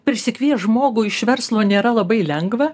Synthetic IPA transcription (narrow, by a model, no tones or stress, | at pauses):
pʲɾʲɪsʲɪkʋʲiɛsʒmoːɡʊːɪʃʋʲɛɾslˠoːnʲeːɾɐlˠɐbɐɪlʲɛŋɡʋɐ